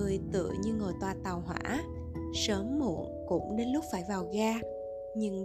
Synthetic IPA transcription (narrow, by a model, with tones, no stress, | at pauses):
ɨ˨˩əjt̪ɨ̰˧˨ɲɨ˧ŋo˨˩jt̪waː˨˩t̪a˨˩wɦwa̰ː˧˥ | səː˨˦mːṵ˧˩˨ənkʊ̰˧˥ŋ͡mɗe˨˦nlʊ˦˥k͡p̚faː˧˩jvaː˨˩wɣaː˧ | ɲɨ˧ŋ